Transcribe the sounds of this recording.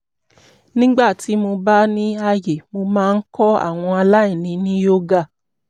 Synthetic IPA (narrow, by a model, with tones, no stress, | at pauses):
nĩ˦ɡ͡ba˦˨ti˨˦mo˧ba˦nĩ˦a˧je˨mo˧mãː˦˧˦kɔ˦a̰˦˨w̃ɔ̃˧a˧la˦i˦˨nĩ˧nĩ˦jo˦ɡa˦˨